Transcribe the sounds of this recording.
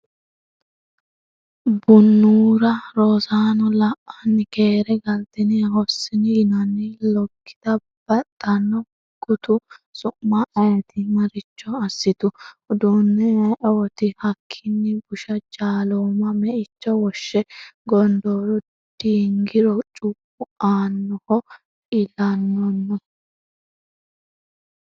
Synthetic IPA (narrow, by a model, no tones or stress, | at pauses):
bʊnːuːɾɐɾosaːnɔlɐʔɐnːɪke̞ːɾɛɡɐlt̪ɪnɪɐhɔsːɪnɪɪnɐnːɪlɔkːɪ̥d̪̥ɐ | b̥ɐt̪ʼːɐnːɔ | ɡʊt̪ʊsʼʊʔmɐʔɐjɐt̪ʰɪmɐɾɪt͡ʃːɔɐsːɪt̪ʊʊd̪unːɛɐʔɛwɔt̪ɪhɐkʰːɪnːɛbʊʃɐd͡ʒaːloːmɐmɛʔɪt͡ʃːɔwɔʃːɛɡɔnd̪oːɾɔ | d̪̥iːŋɡɪɾɔt͡ʃʼʊpʼː | ʊaːnːɔhɔ | ɪlɐnːɔnːɔ